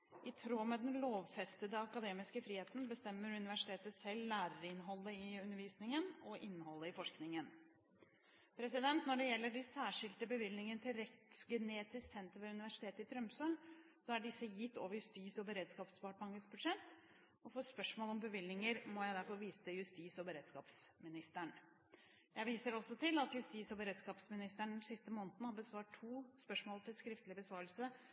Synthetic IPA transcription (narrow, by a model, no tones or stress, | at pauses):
ʔɪt̪ʰɾoːmɛd̪ɛnloːʋfɛst̪əd̪əɑkɑd̪eːmɪskəfɾiːheːt̪n̩bəst̪ɛmːəɾʉnɪʋæʂɪ̥t̪ʰeːt̪əsɛlːæːɾəɾɪnɦɔlːəɪʉnəɾʋiːsnɪŋənɔʔɪnːhɔlːəɪfɔʂknɪŋən | pʰɾɛsɪd̪ɛnt̪nɔɖɛjɛlːəɖɛsæːʂɪlt̪əbəʋɪlnɪŋənət̪ʰɪlɾɛt̪sɡɛneːt̪ɪssɛnt̪əɾʋɛʉnɪʋæʂɪ̥t̪ʰeːt̪əɪt̪ʰɾœmpsø | sɔæɖɪsːəjɪt̪ːo̰ːʋəɾjʉst̪iːsɔbəɾeːd̪skɑːpspɑʈbɑŋəsbʉd̪ʂɛt̪ː | ɔfoːspœʂmoːlɔmbəʋɪlnɪŋəɾmɔjæɪd̪æɾfɔɾʋiːsəjʉst̪iːsɔbəɾeːd̪̥skɑːpsmɪnɪst̪əɳ | jæɪʋiːsəɾɔsːɔt̪ʰɪlɑt̪jʉst̪iːsɔbəɾeːd̪skɑːpsmɪnɪst̪əɳn̩sɪst̪əmoːnət̪nəhɑbəsʋɑːʈʰːuːspœʂmoːlˠət̪ʰɪlskɾɪft̪əlɪbəsʋɑːɾəlsə